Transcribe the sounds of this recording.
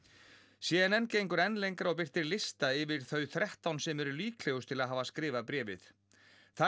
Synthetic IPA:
sjɛːðɛnɛnːceːjŋkʏɾɛnlejŋkaɾɔɣp̬ɪr̥t̪ɪɾlɪst̪aɪvɪɾ̥θœːɥθɾɛht̪awnsɛmɛɾʏliːkʰlɛɣʏst̪ʰɪlaðɦaːvaskɾɪːvapɾɛːvɪ̰θ | θa

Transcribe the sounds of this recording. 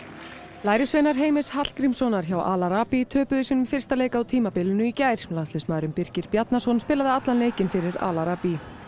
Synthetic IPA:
laːjɾɪsveːjnaɾ̥ɦeːjmɪshat̪lkɾimsɔnaɾ̥çawʔa̰laɾaːpit̪ʰœːpʏðʏsɛnʏmfɪr̥st̪aleːjkaawt̪ʰiːmapɪlːʏnʏicaːjɾ̥last̪ɪsmaːðɾʏmpɪr̥cɪɾ̥pjat̪nasɔnspɪːlaðɪat̪lanleːjcɪnfɪɾɪɾa̰ːlaɾaːpi

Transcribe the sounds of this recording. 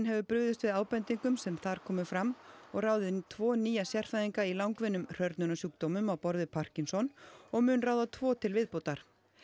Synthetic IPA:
nɦɛvʏpɾʏðɪst̪vɪðaːwpɛnt̪iŋkʏmsɛmθaɾ̥kʰɔːmʏfɾamɔɣraːwðɪðt̪ʰvɔːniːjasjɛr̥fajðiŋkailawŋkvɪnːʏmr̥œɾt̪nʏnasjuːk̚t̪owmʏmawpɔɾðɪpʰar̥cinsɔnɔɣmʏːnraːwðat̪ʰvɔːt̪ʰɪlvɪðpowt̪aɾ̥

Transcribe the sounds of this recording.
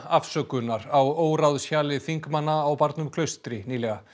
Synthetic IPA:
afsœːkʏnːaɾawoːwɾawðsjaːlɪθiŋkmanːaːwpaɾt̪nʏmkʰlœɥst̪ɾɪniːlɛɣa

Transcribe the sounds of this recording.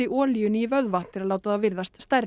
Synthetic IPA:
ɪʔɔːlijʏnivœðvḁt̪ʰɪɾalaːwt̪aðavɪɾðast̪st̪ɛr

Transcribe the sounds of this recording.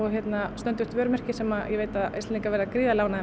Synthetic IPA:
ɔɣçjɛt̪nast̪œnt̪ʏht̪vœːɾmɛr̥cɪsɛmajʔɛveːjt̪aðḛsɛniŋkavɛɾðakɾiːðalaːwnaðɛ

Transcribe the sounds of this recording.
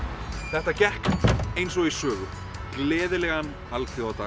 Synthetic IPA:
θɛht̪acɛhk̪ejnsɔɣisœːɣʏ̰ | klɛːðɪlɛɣan | alkθjɔawt̪aː

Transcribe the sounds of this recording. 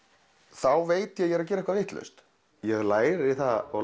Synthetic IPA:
θawveːjt̪jɛjɛɾac̬ɛːɾɛhkvavɪht̪lœ̰ɥst̪ | jɛɣlaːjɾɪθaɔɣ

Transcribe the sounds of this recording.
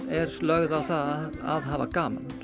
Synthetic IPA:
ɛɾ̥lœɣðawθaðaðɦaːva̰kaːma̰n

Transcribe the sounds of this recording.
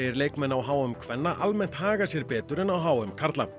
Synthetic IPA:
jɪɾleːjkmɛnːawɦaːwʏmkʰvɛnːaʔalmɛn̥t̪haːɣasjɛɾpɛːt̪ʏɾɛnawɦaːwʏmkʰaɾt̪la̰

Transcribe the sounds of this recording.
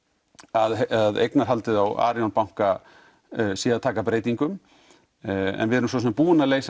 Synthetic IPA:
aðaðḛjknaɾ̥ɦalt̪ɪðawa̰ːɾjawnpawŋ̥ka | siːat̪ʰaːkapɾeːjt̪iŋkʏm | ɛ̰nvɪɛɾʏms̬ɔs̬ɛpuːʏnaleːjs

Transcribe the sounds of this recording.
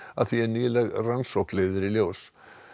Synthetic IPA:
aðθiɛɾniːðlɛɣransowkleːjðʏɾiljoːws

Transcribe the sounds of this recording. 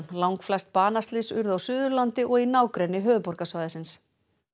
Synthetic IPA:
nlawŋkflajst̪̚paːnast̪lɪsʏɾðawsʏːðʏɾlant̪ɪʔɔɣinaːwkɾɛnːɪɦœːðʏpɔɾkasvaːjðɪsɪns

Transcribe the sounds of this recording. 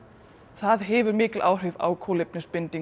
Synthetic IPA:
θaðɦɛːvʏɾmɪːcɪlʔaːwr̥ɪva̰wkʰowlejp̚nɪspɪnt̪i

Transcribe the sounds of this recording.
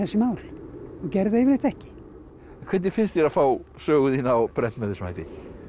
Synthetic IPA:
ɛsːɪmaːwlɔɣcɛɾðevɪɾɪht̪ɛhcɪ̥ | kʰvɛːt̪nɪfɪnst̪jɛɾaðfaːwsœːɣʏðinawpɾɛnt̪mɛðɪsma̰ːjt̪ɪ

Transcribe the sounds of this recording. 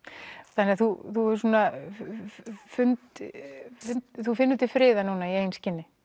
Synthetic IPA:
θanɪaθuθuɛ̥suːna | fʏnt̪ | fʏnt̪θufɪnːʏt̪ɪfɾɪːðanuːnaiejnscɪnːɪ

